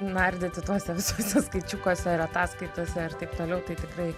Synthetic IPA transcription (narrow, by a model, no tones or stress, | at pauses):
nɐrʲd̪ʲeːt̪ʲɪt̪uɔsʲɛʋʲɪsoːsʲɛskɐɪt͡ʃʲʊkoːsʲɛɪɾɐt̪ɑːskɐɪt̪oːsʲɛɪrt̪ɐɪpt̪oːlʲɛʊt̪ɐɪt̪ʲɪkrɐɪ